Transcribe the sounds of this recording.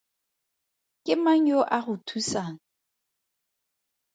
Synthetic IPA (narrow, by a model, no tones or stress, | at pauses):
kʼɪmaɲoʔaɣʊtʰusaŋ̩